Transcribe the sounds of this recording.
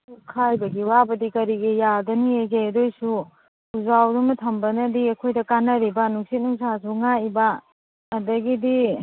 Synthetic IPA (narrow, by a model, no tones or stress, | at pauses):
ukʰajbɐɡiwabɐdikɐɾiɡejadɐnieɡedojsu | uzawdumɐtʰɐmbɐnɐdiɐkʰojdɐkanɐɾibɐnuŋsit̚nuŋsas̬uŋajbɐː | dɐɡidi